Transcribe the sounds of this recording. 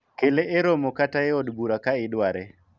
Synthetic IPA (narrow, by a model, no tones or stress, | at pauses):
keleʔeɾomokataeɔdbuɾakaɪdwaɾɛ